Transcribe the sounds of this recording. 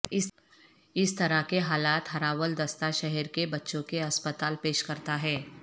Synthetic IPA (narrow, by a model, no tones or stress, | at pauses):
ɪ | ɪst̪ɐɾakeɦaːlaːt̪ɦɐɾaːʋəld̪ɐst̪aʃɛɦɛɾkebɐtːʃõkeɐspət̪aːlpeːʃkɐɾt̪aɦɛː